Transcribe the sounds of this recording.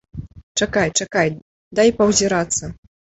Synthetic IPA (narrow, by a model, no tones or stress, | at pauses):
t͡ʂakajt͡ʂakaj | d̪ajpɐwzʲiɾat̪sːɐ